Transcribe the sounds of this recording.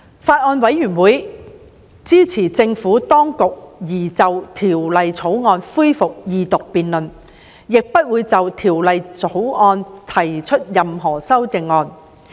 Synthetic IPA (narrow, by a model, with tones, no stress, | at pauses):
faː˧t̚ʔɔː˧nwɐ˨˥jːyː˨˩nwuː˨˥j | t͡siː˥t͡sʰiː˨˩t͡sɪ˧ŋfuː˨˥t̪ɔː˥ŋkʊ˨k̚jiː˨˩t͡sɐ˨wt̪ʰiː˨˩wlɐ˨jt͡sʰo˨˥wŋɔː˧nfuː˥jfʊ˨k̚jiː˨˧t̪ʊ˨k̚piː˨nlɵ˨n | jɪ˨k̚pɐ˥t̚wuː˨˧jt͡sɐ˨wt̪ʰiː˨˩wlɐ˨jt͡so˨˥wɔː˧nt̪ʰɐ˨˩jt͡ʃʰɵ˥t̚jɐ˨mɦɔː˨˩sɐ˥wt͡sɪ˨˧ŋːɔː˧n